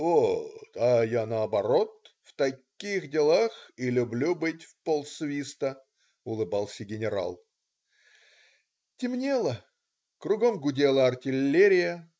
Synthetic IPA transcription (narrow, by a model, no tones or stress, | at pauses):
oɐjanəɐbɐɾo̞t̪̚ | ft̪ɐkʲixdʲɪlˠaxilʲʊblʲubɨtʲfpolˠsvʲist̪ə | ʊlˠɨbalˠsʲəɡʲɪnʲɪɾa̰lˠ | tʲɪmnʲelˠə | krʊɡomɡʊdʲelˠəɐrtʲɪlʲːeɾʲɪjə